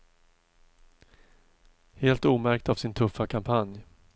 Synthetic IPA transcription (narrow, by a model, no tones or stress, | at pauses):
heːlt̪uːmæɾk̚t̪av̥sɪnt̪ʰɵfːakʰampʰanj